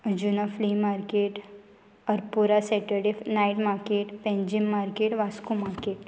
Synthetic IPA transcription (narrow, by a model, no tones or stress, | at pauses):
d͡ʒunafliːmaːɾkeːʈ | ɔɾpuɾaseʈəɾɖifnaiʈmaːɾkeːʈpɛ̃ɲd͡ʒɪmːaːɾkeʈʋaskumaːɾkeːʈ